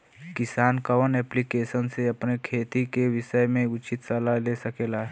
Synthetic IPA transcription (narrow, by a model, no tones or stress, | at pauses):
kɪsaːnkɐʋənɛːplikeːsənseɐpnekʰeːt̪ikeʋɪʃəjmẽʊt͡ʃɪt̪sɐlaleːsɐkeːlaː